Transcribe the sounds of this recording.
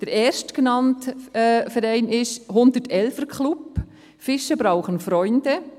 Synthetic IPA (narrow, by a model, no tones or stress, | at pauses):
d̥əɾɛːɾʃtkənɑntːfɛɾɛɪnɪʃhʊndətɛlfəɾkʰχlup | fɪʃəbɾaʊχənfɾɔʏndə